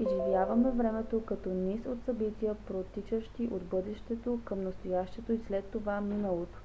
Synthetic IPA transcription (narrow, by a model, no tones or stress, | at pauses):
iʒivjavɐmɛvɾɛmɛt̪okɐt̪ɔnisot̪sɐbit̪ʲijəpɾot̪ːit͡ʃəʃt̪iʔod̪bɤd̪ɛʃt̪ɛt̪okəmnɐst̪ojaʃt̪ɛt̪oislɛt̪ːovaminəlˠot̪o̥